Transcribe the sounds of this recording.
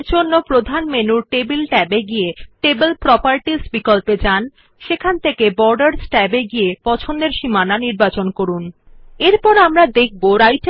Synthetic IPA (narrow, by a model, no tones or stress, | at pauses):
ɾd͡ʑonːopɾod̪ʱanmenuɾʈebilʈɛbeɡieʈebelpɾɔpaɾʈisbikolped͡ʑan | ʃekʰant̪ʰekebɔɾɖaɾsʈɛbeɡiepɔt͡ɕʰond̪eɾʃimananiɾbat͡ɕonkoɾun | eɾpɔɾamɾad̪ek̚ʰboɾajt͡ɕ